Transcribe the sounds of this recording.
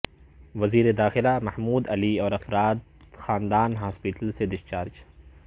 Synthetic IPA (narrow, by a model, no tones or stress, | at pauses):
ʋɐziːɾed̪aːxɪlamɐhmuːd̪ɐliɔːɾɐfɾaːd̪xaːnd̪aːnɦaːspɪʈəlsed̪ɪʃt͡ʃaːɾd͡ʒ